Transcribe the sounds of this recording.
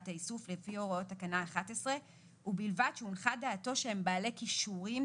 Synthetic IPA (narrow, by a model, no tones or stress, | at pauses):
taisuflefioʁaotakanaːχatesʁe̞ | ubilvadʃeunχadaːto̞ʃeembaːle̞kiʃuʁim